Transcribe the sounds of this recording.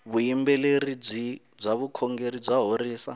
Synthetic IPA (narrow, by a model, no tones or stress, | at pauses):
βuimbɛlerib͡ʐʷi | b͡ʐʷaβukʰɔŋɡerid͡zaɦoriːsa